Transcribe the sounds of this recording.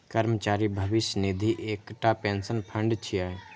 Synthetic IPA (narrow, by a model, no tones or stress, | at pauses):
kəɾmət͡ʃaːɾibʱəʋɪʃjənid̪ʱiʔeːkʈapẽnsənpʰə̃ɳɖt͡ʃʰiae